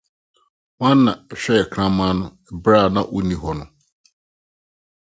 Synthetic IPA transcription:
wã˦nː˦ã˨ɕᶣɛ˦ɛ˨kʰɾ̃ã˦mãː˦nʊ̃˦ɛ˨bɾa˦˨nã˦˨ʔo˦nĩ˨ɦɔ˨nʊ̃˨

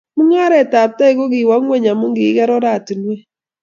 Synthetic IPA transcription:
mu˦ŋa˦ɾɛ˨ta˨ta˦i˦ɣo˦ɣɪ˨wa˨˦ŋwe˦ɲa˨mu˦ŋɡɪ˨˦ɣɛ˦ɾɔ˦ɾa˦˨tu˨nwe˦

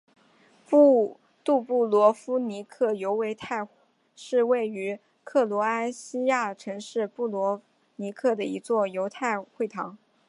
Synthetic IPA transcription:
pu˥ | t̪u˥˧pu˥˩lwɔ˧˥fu˥ni˧˥kʰɤ˥˩jo˧˥ʊwe˧˥ɪt̪ʰa˥˩ɪ | ʂɻ̩˥˧we˥˩ɪy˧˥ | kʰɤ˥˩lwɔ˧˥a˥ɪɕi˥ja˥˩ʈ͡ʂʰɤ˧˥ŋʂɻ̩˥˧pu˥˩lwɔ˧˥ | ni˧˥kʰɤ˥˩d̪ə˩i˧˥t͡swɔ˥˩jo˧˥ʊt̪ʰa˥˧ɪxwe˥˩ɪt̪ʰɑ˧˥ŋ

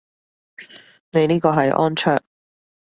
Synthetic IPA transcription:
ne˨˧jniː˥kɔː˧ɦɐ˨jʔɔ̰ː˥nt͡ʃʰœː˥k̚

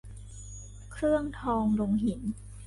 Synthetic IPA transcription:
kʰɾɯ˥˩əŋt̪ʰɔː˧ŋɾo˧ŋɦi˩˦n

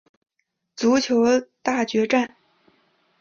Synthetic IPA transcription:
t͡su˧˥t͡ɕʰjo˧˥ʊt̪a˥˩t͡ɕɥɛ˧˥ʈ͡ʂa˥˩n

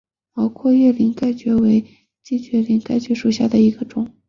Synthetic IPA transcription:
pɑ˥ʊkʰwɔ˥˧jɛ˥˩li˧˥ŋka˥˩ɪt͡ɕɥɛ˧˥we˧˥ɪ | t͡ɕi˥˩t͡ɕɥɛ˧˥li˧˥nka˥˩ɪt͡ɕɥɛ˧˥ʂu˨˩ɕja˥˩d̪ə˩i˧˥ɡ̥ə˧ʈ͡ʂʊ˨˩˦ŋ

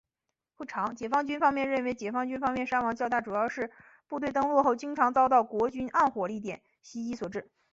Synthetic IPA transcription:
pu˥˩ʈ͡ʂʰɑ˧˥ŋt͡ɕjɛ˨˩fɑ˥ŋt͡ɕy˥nfɑ˥ŋmjɛ˥˧nɻə˥˩˧nwe˧˥ɪt͡ɕjɛ˨˩fɑ˥ŋt͡ɕy˥nfɑ˥ŋmjɛ˥˧nʂa˥wɑ˧˥ŋt͡ɕjɑ˥˧ʊt̪a˥˩ʈ͡ʂu˨˩jɑ˥˧ʊʂɻ̩˥˧ | pu˥˧t̪we˥˧ɪt̪ɤ˥ŋlwɔ˥˧xo˥˩ʊt͡ɕi˥ŋʈ͡ʂʰɑ˧˥ŋt͡sɑ˥ʊt̪ɑ˥˩ʊkwɔ˧˥t͡ɕy˥nʔa˥˩nxwɔ˨˩li˥˩t̪̬jɛ˨˩n | ɕi˥i˧˥swɔ˨˩ʈ͡ʂɻ̩˥˩

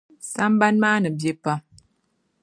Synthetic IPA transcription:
sa˦m˦ba˦nmaː˦nə˨bje˦pa˦

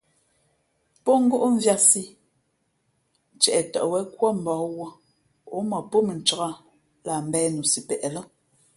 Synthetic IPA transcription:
po˦ŋ̩˦ɡo˦ʔɱ̩˦vja˦si˦ | n̩˨t͡ʃɛ˨ʔɛ˨tɔ˨ʔwɛ˦kwɔ˦m̩˨bɔː˨˦wo˦ | o˨˦mɔ˨po˦me˨n̩˨t͡ʃə˨˦a˦ | la˨m̩˦˨bɛː˦nu˨si˨pɛ˨ʔɛ˨lɔ˦

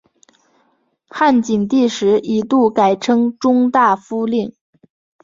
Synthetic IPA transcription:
xa˥˩nt͡ɕi˨˩ŋt̪i˥˩ʂɻ̩˧˥i˧˥t̪u˥˩ka˨˩ɪʈ͡ʂʰɤ˥ŋʈ͡ʂʊ˥ŋt̪a˥˩fu˥li˥˩ŋ

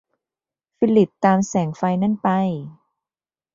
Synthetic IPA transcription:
fi˧li˨˩t̪ːaː˧msɛː˩˦ŋfa˧jna˥˩npa˧j

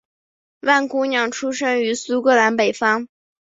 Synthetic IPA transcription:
wa˥˩nku˥njɑ˨˩ŋʈ͡ʂʰu˥ʂɤ˥ŋy˧˥su˥kɤ˥˩la˧˥npe˨˩ɪfɑ˥ŋ

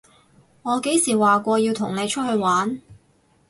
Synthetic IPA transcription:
ŋɔː˨˧ke˨˥jsiː˨˩waː˨˩kʷɔː˧jiː˧wt̪ʰʊ˨˩ŋne˨˧jt͡ʃʰɵ˥t̚hɵ˧ɥwaː˨˥n

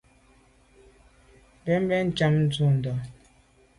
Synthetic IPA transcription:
bɛ˦m˦bɛ˦n̩˨t͡ʃa˦mn̩˦d͡zu˦˨n̩˨dɔ˨

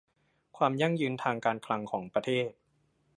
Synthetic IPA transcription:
kʰwaː˧mja˥˩ŋjɯː˧nt̪ʰaː˧ŋkaː˧nkʰla˧ŋkʰɔː˩˦ŋpɾa˧t̪ʰeː˥˩t̪̚

